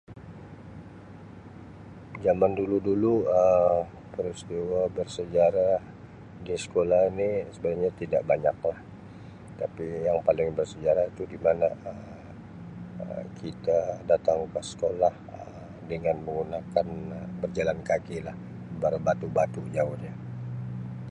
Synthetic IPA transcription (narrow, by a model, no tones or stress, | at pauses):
d͡ʒamanduluduluə | pəɾist̪iwabərsəd͡ʒaɾa | disə̥kolahnisəbaɡaɲat̪ida̰ʔbaɲak̚lah | t̪apijaŋpalɪŋbərsəd͡ʒaɾait̪udimanaə | ə̰kʰit̪adat̪aŋkəsə̥kolahə | dəŋanməŋunakanbərd͡ʒalankakilah | baɾbat̪ubat̪ud͡ʒaʊhɲa